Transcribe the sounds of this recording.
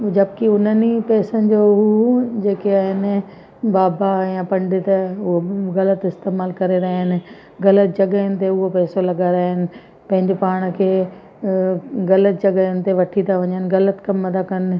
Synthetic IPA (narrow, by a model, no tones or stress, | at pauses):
d͡ʑɐbkiʊn̤ənipɛːsənɪ̆d͡ʑoɦud͡ʑeːkeaːɦɪnɪ̆ | baːbajãpɐ̃ɳɖɪt̪ɐʊɦoɣɐlət̪ɪst̪eːmaːlkɐɾeɾɐɦɪnɪ̆ | ɣɐlət̪̚d͡ʑɐɡəɪnɪ̆t̪eʊɦopɛːsolɐɡaɾaːɦɪnɪ̆ | pɐ̃ɦɪ̃ɲd͡ʑɪpaːɽ̃̆kʰeː | ɣɐlət̪̚d͡ʑɐɡəʊnɪ̆t̪eʋɐʈʰit̪ʰaʋɐɲənɪ̆ɣɐlət̪kɐmːɐd̪akɐn̆